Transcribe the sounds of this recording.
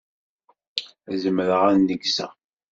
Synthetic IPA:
æzəmɾəʁænːəɡsæ̰

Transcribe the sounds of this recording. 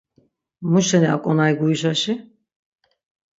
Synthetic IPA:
muʃɛnia̰kʼɔnajɡuiʃaʃi

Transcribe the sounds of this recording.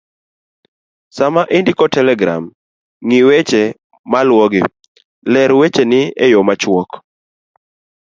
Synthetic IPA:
samaʔindikɔtɛlɛɡɾa̰m | ŋiwet͡ʃe | malwɔɡɪ | lɛɾwet͡ʃenɪejɔmat͡ʃwɔk

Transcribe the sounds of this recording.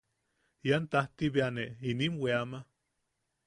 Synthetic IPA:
jant̪aht̪iβeaneininweama

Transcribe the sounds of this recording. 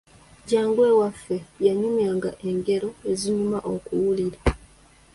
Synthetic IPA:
ɟaːŋɡwe̞ːwafːe̞jaɲumjaːŋɡaʔe̞ŋɡe̞ɾo̞e̞ziɲumaʔo̞kuwuliɾa

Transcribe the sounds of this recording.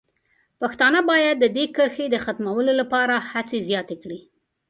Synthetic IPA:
paxt̪ɑnəbɑjad̪ːəd̪ekəɾxed̪əxat̪mawəlolapɑɾahat͡sezjɑt̪ekɽi

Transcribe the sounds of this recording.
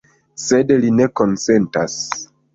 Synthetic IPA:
sedline̞ko̞nse̞ntas

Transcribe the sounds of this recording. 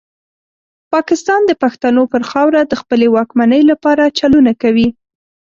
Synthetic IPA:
pɑkɪst̪ɑnd̪əpaxt̪anopəɾxɑwɾad̪əxpəlewɑkmanəjlapɑɾat͡ʃalunakawi

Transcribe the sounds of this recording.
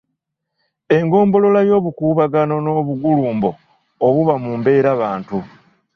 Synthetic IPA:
e̞ŋɡo̞ːmbo̞lo̞lajo̞ːβukuːβaɡano̞no̞βuɡuluːmbo̞ː | βuβamumbe̞ːɾaβaːntu

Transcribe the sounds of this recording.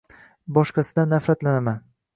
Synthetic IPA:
bɒʃqɑsɪd̪anːafɾat̪lanaman

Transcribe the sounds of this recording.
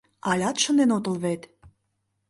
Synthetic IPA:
ɑlʲɑt̪ʃə̆nd̪enot̪ə̆lβet̪

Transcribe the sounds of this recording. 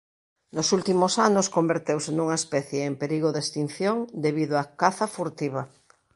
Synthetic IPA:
nosult̪imosanoskombeɾt̪ewsenuŋaespɛθjeːmpeɾiɣ̞oðest̪in̟θjoŋd̪eβiðoakaθafuɾt̪iβ̞a

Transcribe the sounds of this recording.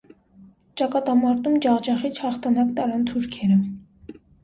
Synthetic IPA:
t͡ʃɑkɑt̪ɑmɑɾt̪umd͡ʒɑʁd͡ʒɑχit͡ʃʰhɑχt̪ʰɑnɑkt̪ɑɾɑnt̪ʰuɾkʰɛɾə

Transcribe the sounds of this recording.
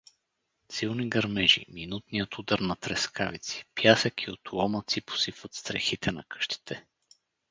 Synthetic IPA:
silˠniɡɐɾmɛʒḭminut̪nijət̪ud̪əɾnɐt̪ɾɛskavit̪si̥pjasəkʰiot̪wɔmət̪sipo̥sifvət̪st̪ɾɛ̰xit̪ɛnɐ̰kɤ̥ʃt̪i̥t̪ʰɛ

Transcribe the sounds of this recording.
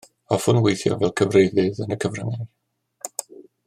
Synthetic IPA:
ɔfʊnwejθjɔ̰vɛlˠkʰəvrejðɨðənəkʰəvrəŋɪ

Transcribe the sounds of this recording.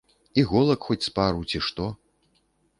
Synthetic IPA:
iɣɔlˠɐkxɔt͡sʲspaɾuwt͡sʲiʂt̪ɔ

